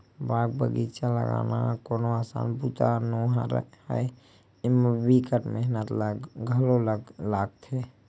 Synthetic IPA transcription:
baːk̚bəɡit͡ʃalə̰ɡa̰nakoːnoasa̰nbut̪anoɦaɾə̰həj | mbikəʈmeɦnət̪laɡɡʱəlolɡlaɡt̪ʰe

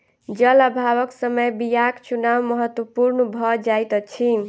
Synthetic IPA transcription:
d͡ʒʌləbʱaβʌksəməjbijakt͡ʃunawmʌɦʌt̪wəpuɾnəbʱʌd͡ʒajt̪t͡ʃʰin

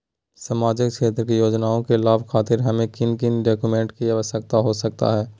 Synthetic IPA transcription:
samaːd͡ʒɪkʃeːt̪ɾəkijoːd͡ʒnaːõkelaːʋkʰaːt̪ɪɾɦɐmẽkɪnkɪnɖaːkjumẽːɳʈkiaʋəsək̚t̪aɦosɐk̚t̪a̰ɦɛː

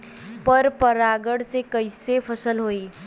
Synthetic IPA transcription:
pəɾpəɾaɡəɽsekəjsepʰəsəlɦoi

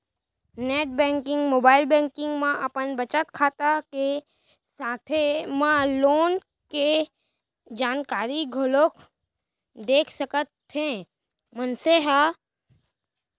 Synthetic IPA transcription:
neːʈ̚bɛ̃ːŋkɪ̃ŋɡmoːbaːɪlbɛ̃ːŋkɪ̃ŋɡmãʔɐpənbɐt͡ʃət̪kʰaːt̪ake | saːt̪ʰemãloːn | ke | d͡ʒaːnkaːɾiɡʱoloːk | d̪eːkʰsəkət̪ːẽ | mənseɦa

